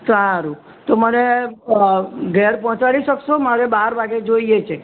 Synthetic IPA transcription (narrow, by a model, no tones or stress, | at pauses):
saaɾu | t̪oməne | ɡɛɾpɔɦɔ̃t͡ʃaɽiʃəkʃomaɾebaɾʋaɡed͡ʒoiet͡ʃʰe